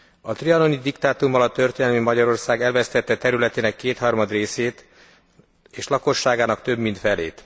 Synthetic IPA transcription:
ɒt̪riɒno̞nid̪ikt̪aːt̪umːɒlɒt̪ːø̞rt̪eːnɛlmimɒɟɒɾo̞rsaːɡɛlvɛst̪ɛt̪ːɛt̪ɛɾylɛt̪eːnɛkːeːt̪hɒrmɒd̪reːseːt̪ | eːʃlɒko̞ʃːaːɡaːnɒkt̪ø̞bmint̪fɛleːt̪

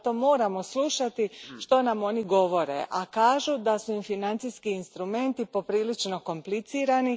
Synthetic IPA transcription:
t̪o̞ːmo̞ːɾamo̞slˠuʃat̪iʃt̪o̞namo̞niɡo̞ʋo̞ɾe̞̰ʔakaːʒud̪asuimfinant̪siskiːnst̪ɾume̞nt̪ipo̞pɾiːlit͡ʃno̞ko̞mplit̪siːɾani

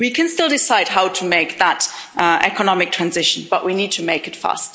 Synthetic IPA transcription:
wikʰɨ̃nstɪlˠdɪsaɪd̚ɦaʊtʰəmeɪk̚ðətɛ̰kənɑmɨk̚tʰɹ̥æ̃nzɪʃn̩b̥ʌʔwinid̚tʰɨmeɪkɨtfæ̰st

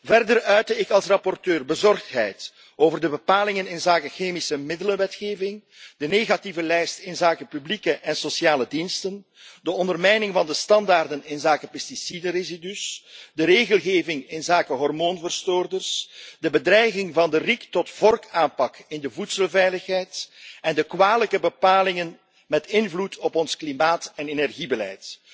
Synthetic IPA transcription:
vɛrdərœɥtəɪkɑlˠsrɑpɔrtøːrbəzɔrxtɦɛ̰jt | oːvərdəbəpaːlɪŋənɪnzaːkəxeːmisəmɪdələnʋɛtxeːvɪŋ | d̥əneːɣativəlɛjstɪnzaːkəpyblikəʔɛnsosjaːlədinstən | dəɔndərmɛjnɪŋvɑndəstɑndaːrdənɪnzaːkəpɛstisidərezidysdəɾeːɣəlˠɣeːvɪŋɪnzaːkəɦɔrmoːnvərstoːrdərsdəbədrɛjɣɪŋvɑndəriktɔtv̥ɔrkaːnpɑkɪndəvutsəlˠvɛjləxɦɛjtɛndəkwaːləkəbəpaːlɪŋən | mɛtɪnvlutʰɔpɔnsklimaːtɛnenɛrɣibəlɛ̰jt

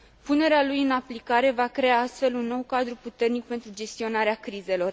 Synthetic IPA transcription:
pune̞ɾealujɨnaplikaɾe̞vakɾe̞aast̪fe̞lunːo̞wkad̪ɾuput̪e̞rnik̚pe̞nt̪ɾud͡ʒe̞st̪io̞naɾeakɾize̞lo̞r

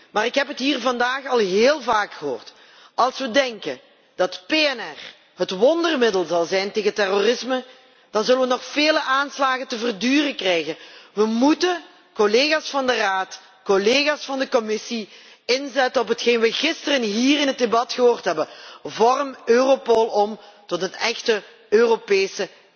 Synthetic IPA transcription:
maːɾɪkɦɛpɦətɦiːrvɑndaːxɑlˠɦeːlˠvaːkxəɦo̰ːrt | ɑlˠsʋədɛŋkən | d̥ɑtpeɛnɛr | ɦətʋɔndərmɪdəlˠzɑlˠzɛjnteːɣətɛrorɪsmə | d̥ɑnzɵləʋənɔxfeːləʔaːnslaːɣəntəvərdyːrəkrɛjɣənʋəmutə | koleːɣaːsfɑndəraːt | koleːɣaːsfɑndəkɔmɪsi | ɪnzɛtənɔpɦətxeːjnʋəɣɪstərənɦiːrɪnɦət̚debɑtxəɦoːrtɦɛbənvɔrmøːropolˠɔmtɔtɦətɛxtə | øːropeːsə

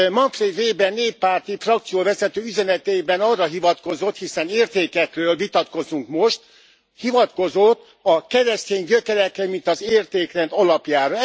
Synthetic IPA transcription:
mɒɱfred̪reːbɛnːeːpːaːrt̪ifrɒk̚t̪sijoːvɛzɛt̪øːyzɛnɛt̪eːbɛnɒrːɒɦivɒt̪ko̞zo̞t̪hisɛneːrt̪eːkɛkrøːlvit̪ɒt̪ko̞zuŋkmoʃt̪ | hivɒt̪ko̞zot̪ː | ɒkɛɾɛst̪eːɲɟøkɛɾɛkːɛmint̪ɒzeːrt̪eːkrɛnd̪ɒlɒpjaːɾɒ

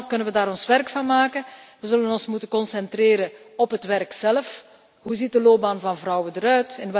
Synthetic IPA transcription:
kɵnənʋədaːɾɔnsʋɛrkfɑnmaːkənʋəzɵlənɔnsmutəkɔnsɛntreːɾən | ɔpɦətʋɛrksɛləf | ɦuzit̚dəloːp̚baːnvɑnvrɔwədəɾœɥtɪnʋɛ

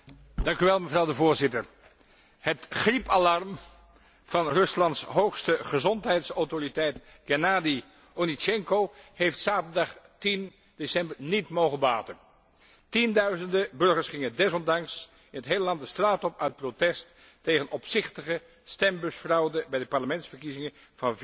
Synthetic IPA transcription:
d̥ɑŋkyʋɛlˠməvrɑwdəvʊːɹzɪtəɹ | hətχripɑlɑrm | v̥ɑnrɵslɑntsɦowχstəχəzɔntɦɛjtsɔwtoritɛjtɡɛnaːdi | onit͡ʃɛŋkohejftsaːtəɹdɑχtin | desɛmbəɹnitmowχəbaːtən | tindœɥzəndəbɵɹχəɹsχɪŋədɛzɔndɑŋs | ɪnətɦejləlɑntdəstraːtɔpœɥt̚protɛstː | ejχənɔpsɪχtəχə | stɛmbɵsfrɑwdəbɛjdəpɑɹləmɛntsfəɹkizɪŋən | v̥ɑnv

